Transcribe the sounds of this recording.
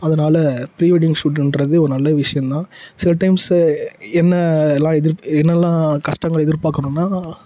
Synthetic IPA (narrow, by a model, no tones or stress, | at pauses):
ɐðɐnaːlɐpɾiːʋɐɽɪŋɡsuːɖʈɾɐðɯɔɾɯnɐlːɐʋɪʂɐjɐ̃nt̪ãːsɪlɐʈɐɪms | ɛnːɐlːãːɛðɪɾɛnːɐɛlːãːkɐʂʈɐŋɡɐɭɛðɪɾpaːkːɐɳʊ̃nːaː